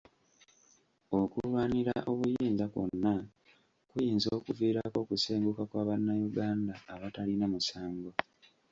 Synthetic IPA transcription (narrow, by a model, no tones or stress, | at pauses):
o̞kulwaːniɾaʔo̞βujiːnzakwo̰nːa | kujiːnzo̞ːkuviːɾako̞kuseːŋɡukakwaːβanːajuɡaːndaːβatalinamusaːŋɡo̞